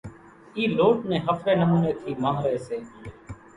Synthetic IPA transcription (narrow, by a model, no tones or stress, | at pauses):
iːloːʈnẽːɦəpʰɾeːnəmuːneːk̪ʰiːmãːŋɾəeːseː